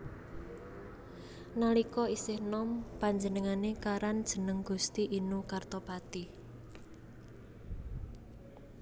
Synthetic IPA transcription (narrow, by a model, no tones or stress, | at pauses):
nalikɔisɪhnɔmpaɲd͡ʒənəŋanekaɾand̥ʒ̥ə̤nəŋɡ̥ṳst̪iʔinukart̪ɔpat̪i